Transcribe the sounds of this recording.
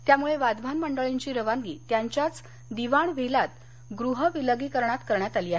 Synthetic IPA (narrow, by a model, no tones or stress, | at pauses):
t̪jamuɭeʋad̪ʋʱanməɳɖəɭeɲt͡ɕiːɾəʋaŋɡḭt̪jaɲt͡ɕjat͡s | d̪iʋaɳʋʱelat̪̚ | ɡɾuɦəʋiləɡiːkəɾɳat̪kəɾɳjat̪aliːaɦe